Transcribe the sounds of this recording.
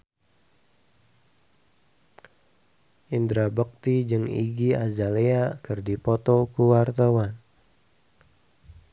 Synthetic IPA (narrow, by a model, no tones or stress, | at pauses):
ʔind̪ɾabək̚t̪id͡ʒɨŋḭɡiazaleakɨrdipɔt̪ɔkuwart̪awan